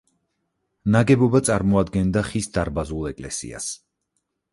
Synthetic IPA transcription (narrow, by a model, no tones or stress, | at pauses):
naɡɛbɔbat̪sʼaɾmɔad̪ɡɛnd̪aχisd̪aɾbazulˠɛkʼlɛsḭa̰s